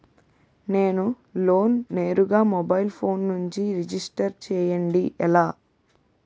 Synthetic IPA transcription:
ne̞ːnu | lo̞ːnːeːɾuɡaːmɔbɐjilpʰo̞ːnːuɲt͡ʃiɾid͡ʒisʈɐɾt͡ʃɛːjɐɳɖiʔɛlaː

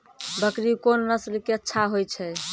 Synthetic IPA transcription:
bəkɾikonːəslkeətːʃʰaɦojt͡ʃʰɛ

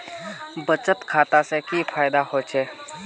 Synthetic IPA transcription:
bət͡ʃət̪kʰaːt̪asekifʰaːjd̪ahoːt͡ʃʰeː

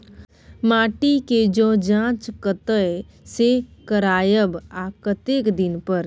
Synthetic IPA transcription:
maːʈiked͡ʒõːd͡ʒãːt͡ʃkət̪ə | sekəɾaːjəbakət̪eːkd̪ɪnpəɾ

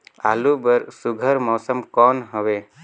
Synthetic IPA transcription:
alubəɾsuɡʱəɾmɔsəmkɔnɦɔwe

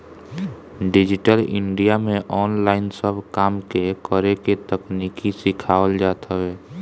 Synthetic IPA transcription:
ɖɪd͡ʒɪʈəlɪ̰ɳɖijamẽʔɔːnlaːɪnsəbʱkaːmkekəɾeket̪əkniːkisɪkʰaːwəld͡ʒaːt̪ʰəɦɛː

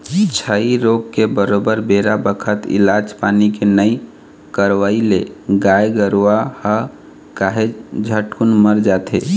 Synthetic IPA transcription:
t͡ʃʰəiɾoɡkebəɾobəɾbeɾabəkʰət̪ḭlad͡ʒpanikenəi | kəɾʋaileɡajɡəɾahə | kaɦed͡ʒʱəʈkunməɾd͡ʒat̪ʰḛ

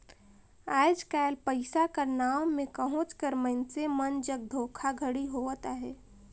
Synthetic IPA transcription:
aːɪd͡ʒkaːlpəɪsakaɾnaːmːẽkəɦʊ̃t͡ʃkəɾməɪnsemənd͡ʒəɡ̚d̪ʱoːkʰaɡʱəɽiɦot̪aɦɛː

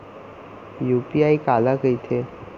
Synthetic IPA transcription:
juːpiaːikaːlakəit̪ʰe

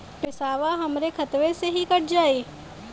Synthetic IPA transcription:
pɪsaːʋaɦɐmɾekʰɐt̪ʋeseɦikɐʈʰd͡ʒaːiː

